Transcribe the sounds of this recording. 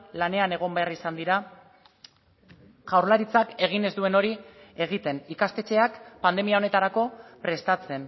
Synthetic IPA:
lane̞ane̞ɣ̞o̞mbe̞arisand̪iɾa | ʝawɾlaɾit͡sake̞ɣ̞ine̞zd̪ue̞no̞ɾie̞ɣ̞it̪e̞nikast̪e̞t͡ʃe̞akpand̪e̞miao̞ne̞t̪aɾako̞pɾe̞st̪at͡se̞n

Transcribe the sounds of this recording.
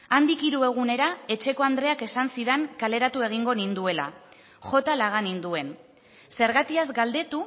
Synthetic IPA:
and̪ikiɾue̞ɣ̞une̞ɾae̞t͡ʃe̞ko̞and̪ɾe̞ake̞sansiðeŋkale̞ɾat̪ue̞ɣ̞iŋɡo̞nind̪ue̞la̰ | ʝo̞t̪alaɣ̞anind̪ue̞n | se̞ɾɣat̪iazɡald̪e̞t̪u

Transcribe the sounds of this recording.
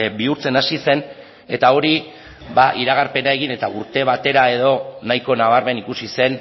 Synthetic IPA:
biuɾt͡senasise̞n | e̞t̪ao̞ɾi | baʔiɾaɣ̞aɾpe̞nae̞ɣine̞t̪auɾt̪e̞β̞at̪e̞ɾae̞ð̞o̞najko̞naβaɾmenikusise̞n

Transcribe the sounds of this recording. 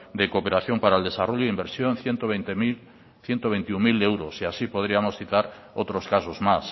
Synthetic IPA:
d̪ekopeɾaθjo̞mpaɾaeld̪e̞saroʎoðimbeɾsjonθjent̪oβet̪mi | θjent̪oβent̪iuŋmilewɾosiasipoð̞ɾiamosθit̪aɾ | ot̪ɾoskasozmas

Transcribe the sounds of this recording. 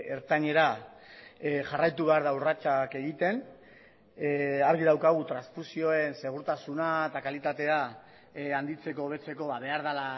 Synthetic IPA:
eɾt̪aɲe̞ɾa | ʝarajt̪uβeaɾðawrat͡ʃake̞ɣit̪e̞n | aɾɣiðawkaɣ̞ut̪ɾansfusio̞e̞nse̞ɣ̞uɾt̪asunaet̪akalit̪at̪e̞a | and̪it͡se̞ko̞β̞e̞t͡se̞ko̞βaβ̞e̞aɾð̞ala

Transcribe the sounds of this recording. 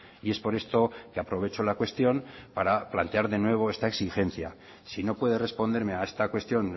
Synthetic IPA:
ie̞spo̞ɾe̞st̪o̞keapɾo̞β̞e̞t͡ʃo̞lakwe̞st̪jo̞mpaɾaplant̪e̞aɾðe̞nwe̞β̞o̞e̞st̪aeksixe̞n̟θja | sino̞pwe̞ð̞e̞re̞spo̞nd̪e̞ɾme̞ae̞st̪akwe̞st̪jo̞n

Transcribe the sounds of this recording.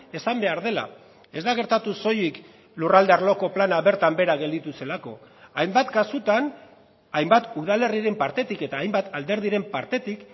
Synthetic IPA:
e̞sambe̞aɾðe̞la̰ | e̞zd̪aɣ̞e̞ɾt̪at̪uso̞jik | lurald̪earlo̞ko̞planaβe̞ɾt̪ambe̞ɾaɣe̞ld̪it̪use̞lako̞̰ | ajmbat̪kasut̪an | ajmbat̪uðale̞riɾe̞mpaɾt̪e̞t̪ike̞t̪aːjmbat̪ald̪e̞ɾð̞iɾe̞mpaɾt̪e̞t̪ik

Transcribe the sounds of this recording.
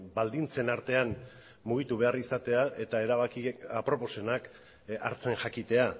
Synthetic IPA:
bald̪int͡se̞naɾt̪e̞an | muɣ̞it̪uβ̞e̞arisat̪e̞aʔe̞t̪ae̞ɾaβakiapɾo̞po̞se̞nak | a̰ɾt͡se̞nʝakit̪e̞a

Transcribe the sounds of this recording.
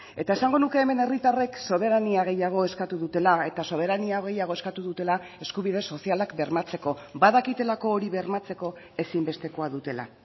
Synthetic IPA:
e̞t̪aesaŋɡo̞nuke̞ːme̞ne̞rit̪are̞kso̞β̞e̞ɾaniaɣ̞e̞jaɣ̞o̞e̞skat̪uðut̪e̞lae̞t̪aso̞β̞e̞ɾaniaɣ̞e̞jaɣ̞o̞e̞skat̪uðut̪e̞lae̞skuβ̞ið̞e̞so̞sialakbe̞ɾmat͡se̞ko̞baðakit̪e̞lako̞ːɾiβe̞ɾmat͡se̞ko̞ | e̞simbe̞st̪e̞ko̞aðut̪e̞la̰

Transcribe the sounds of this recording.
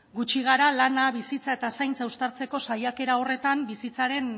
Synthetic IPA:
ɡut͡ʃiɣaɾalanaβisit͡sae̞t̪asajnt͡saust̪aɾt͡se̞ko̞sajake̞ɾao̞re̞t̪ambisit͡saɾe̞n

